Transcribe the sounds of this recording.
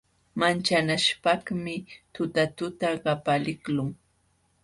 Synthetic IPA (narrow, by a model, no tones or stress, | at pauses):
mant͡ʃanaʃpaχmɪt̪ʊt̪at̪ʊt̪aɢɑpalɪklʊŋ